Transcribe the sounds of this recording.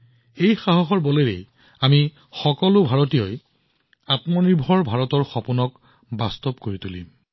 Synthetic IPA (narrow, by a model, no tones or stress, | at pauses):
ejxaɦɔxɔɹbɔleɹḛ | ami | xɔkɔlʊbʱaɹɔtijɔj | atmɔniɹbʱɔɹbʱaɹɔtɔɹxɔpunɔk | bastɔbkoɹitulḭm